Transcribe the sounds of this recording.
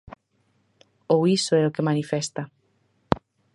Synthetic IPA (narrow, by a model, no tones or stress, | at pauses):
owisoɛokemanifɛst̪a